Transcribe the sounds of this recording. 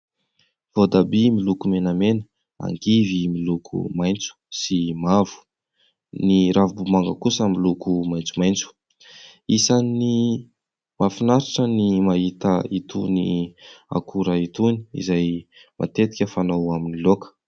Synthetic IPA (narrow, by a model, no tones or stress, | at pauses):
vod̪abimilukumenamenə̥ | a̰ŋɡivimilukʰṵmajnt͡su̥simavu̥ | niɾavbumaŋɡəkusəmilukumajnt͡sumajnt͡su̥ | isani | mafinaɾaʈ͡ʂənimaɦit̪əit̪ṵnḭa̰kʰuɾait̪uni̥ḭzajmʔa̰t̪et̪i̥kʲəfanawaminilokə̥